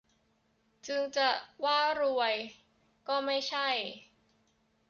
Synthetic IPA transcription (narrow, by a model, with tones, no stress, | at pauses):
t͡ɕɯ˧ŋt͡ɕa˨˩waː˥˩ɾu˧əj | kɔː˥˩ma˥˩jt͡ɕʰa˥˩j